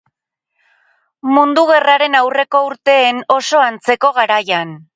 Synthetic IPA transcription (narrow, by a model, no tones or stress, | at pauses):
mund̪uɣe̞raɾe̞nawre̞ko̞uɾt̪e̞ːno̞so̞ant͡se̞ko̞ɣ̞aɾajan